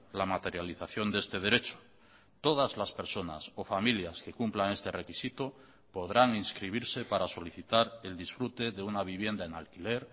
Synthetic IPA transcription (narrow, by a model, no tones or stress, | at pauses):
lamat̪e̞ɾjaliθaθjo̞nd̪eest̪e̞ð̞e̞ɾe̞t͡ʃo̥ | t̪o̞ð̞azlaspe̞ɾso̞na̰so̞familjaske̞kumplaŋe̞st̪e̞re̞kisit̪o | po̞ðɾaŋinskɾiβ̞iɾse̞paɾaso̞liθit̪aɾe̞ld̪isfɾut̪e̞ðe̞unaβ̞iβ̞je̞nd̪aenalkile̞ɾ